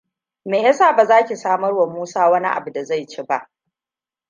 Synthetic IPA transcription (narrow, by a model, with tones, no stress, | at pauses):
meː˨jɐ˦saː˦˨ba˨zaː˦kʲi˨saː˦mɐ˦rwɐ˨muː˦saː˦wɐ˦ni˦ʔa̰˨bu˨da˨za˦˨jt͡ʃeː˦ba̰˦ʔ